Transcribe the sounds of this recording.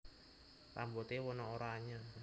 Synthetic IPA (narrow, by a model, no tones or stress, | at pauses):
tambot̪ewɔnɔoɾaɲa